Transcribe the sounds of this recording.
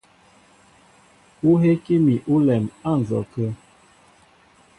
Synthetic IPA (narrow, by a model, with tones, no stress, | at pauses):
u˦ɦe˦ke˦mi˨ʔu˦lɛ˨ma˦˨n̩˨zɔ˨kə˦